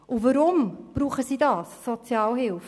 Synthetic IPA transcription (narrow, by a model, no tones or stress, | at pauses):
ʔuvəɾʊmb̥ɾuːχəsiːdɑːsːɔt͡sjɑːlɦɪlf